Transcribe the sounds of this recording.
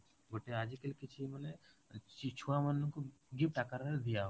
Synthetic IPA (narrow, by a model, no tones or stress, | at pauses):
ɡʱoʈead͡ʒikəlkɪt͡ʃʰiməne | t͡ʃit͡ʃʰuamənːkoɡɪp̚ʈakəɾɾd̪ijaɦo